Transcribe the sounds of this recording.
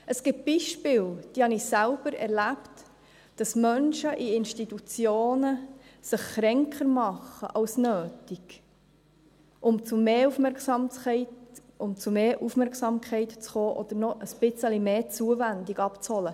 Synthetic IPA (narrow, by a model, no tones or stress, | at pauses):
əsɡ̥ɪp̚b̥iːʃpɪːld̥iːhɑnisælb̥əɾɛ̰ɾlæpt | d̥ɑsmœnʃəʔiɪnʃtitut͡sjoːnəsəχːɾɛŋkχəɾmɑχə̰ʔɑlsnøːtiɡ̥ | ʔʊmt͡sumeːufmɛɾksɑmɛɪtʊmt͡sumeːʔufmɛɾksɑmkʰχɛɪtt͡sχoːʔɔd̥̪əɾnɔʔəsb̥ɪt͡səlimeːt͡suəvændiɡɑpt͡shɔlə